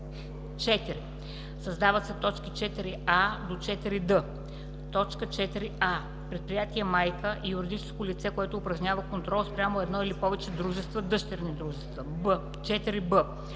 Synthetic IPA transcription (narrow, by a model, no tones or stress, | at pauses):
t͡ʃɛt̪iɾi | səzd̪avət̪sɛt̪ɔt͡ʃki̥t͡ʃɛt̪iɾiad̪ot͡ʃɛt̪iɾid̪ə | t̪ɔt͡ʃkət͡ʃɛt̪iɾia | pɾɛt̪̚pɾijat̪iɛmajkəʔijʊɾid̪it͡ʃɛ̥skolit̪sɛkoɛt̪oːpɾɐʒnʲavəkont̪ɾɔlˠspɾʲjamoɛd̪nɔilipɔvɛt͡ʃɛd̪ɾuʒɛst̪vəd̪ɤʃt̪ɛɾnid̪ɾuʒɛst̪vəbə | t͡ʃɛt̪iɾibə